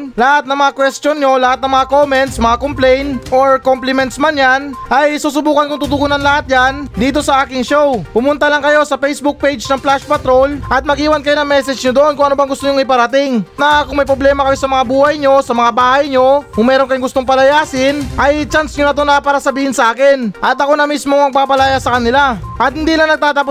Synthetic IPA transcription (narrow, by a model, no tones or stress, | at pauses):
lɐhat̪nɐŋmɐŋakwɛst̪jonɲo̞lɐhat̪nɐŋmɐŋakomɛnt̪smɐŋakomplɛjnʔoɹkomplɪmɛnt̪smanjanʔɐjsuːs̬ʊbuːkɐnkʊŋt̪ut̪̬ʊɡuːnɐnlɐhat̪̚jand̪iːt̪o̞sɐʔaːkɪŋʃo̞wpʊmʊnt̪ɐlɐŋkɐjo̞sɐpɛjsbʊk̚pejd͡ʒnɐŋplaʃpɐt̪ɾo̞lʔɐt̪̚mɐɡiːwɐnkɐjonɐŋmɛsɛd͡ʒɲod̪oʔo̞nkʊŋʔɐnobɐŋɡʊst̪oɲʊŋɪpɐɾɐt̪ɪŋnɐkʊŋmɐjpɾoblɛːmɐkɐjo̞sɐmɐŋabuːhɐjɲo̞sɐmɐŋabaːhɐjɲo̞kʊŋmɛːɾonkɐjoŋɡʊst̪oŋpɐlɐjaːsɪnʔɐjt͡ʃansɲonɐt̪onɐpaːɾɐsɐbiːhɪnsɐʔaːkɪnʔɐt̪ɐko̞nɐmismoŋmɐɡ̚paːpɐlajasɐkɐnɪlaʔɐt̪̚hɪnd̪iːlɐŋnɐɡ̚t̪aːt̪ɐpo